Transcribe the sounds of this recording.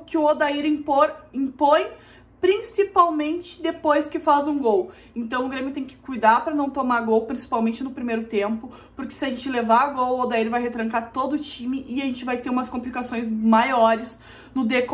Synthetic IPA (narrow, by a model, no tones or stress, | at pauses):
kɪʊod̪aiɾĩpoɾĩpõj̃ | pɾĩsipawmẽnt͡ʃɪ̥d̪epojskɪfazũɡow | ẽnt̪ɐ̃w̃ʊɡɾẽmjʊt̪ẽj̃kɪ̥kujd̪aɾpɾɐnɐ̃w̃t̪omaɾɡowpɾĩsi̥pawmẽnt͡ʃɪnʊpɾimejɾʊt̪ẽmpʊ | pʊɾkɪ̥sɪɐʒẽnt͡ʃɪlevaɾɡowod̪aiɾvajɦet̪ɾɐ̃ŋkaɾt̪od̪ʊːt͡ʃimɪʔɪaʒẽnt͡ʃɪvajt̪eɾũmɐskõmplikasõj̃zmajɔɾɪs | nʊd̪eko